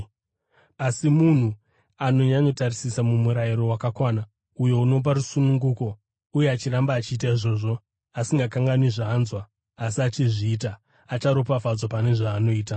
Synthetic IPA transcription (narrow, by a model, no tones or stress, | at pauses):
asimun̤u | ano̞ɲaɲo̞tarisisamumuɾajiɾo̞wakakwaːna | ujo̞uno̞p̬arusunuŋɡuko̞ | ujeat͡ʃirambaːt͡ʃiːtaiʐo̞ːʐo̞ | asiŋɡakaŋɡaniʐaːnzwaː | siat͡ʃiʐiːta | at͡ʃaɾo̞pavad͡zopane̞ʐaːno̞iːta